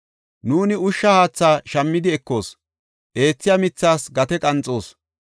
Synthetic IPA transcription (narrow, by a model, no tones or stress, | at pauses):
nuːnɪʊʃːɐhaːt͡sːaːʃɐmːɪd̪ɪɛkːo̞ːs | ʔe̞ːt͡sːɪjamɪt͡sːaːsɡɐt̪ɛkʼɐnt͡sʼːo̞ːs